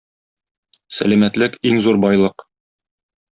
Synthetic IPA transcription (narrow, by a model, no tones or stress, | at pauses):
sæ̰læmæt̪lɘkiŋzuɾbɒjlˠɤq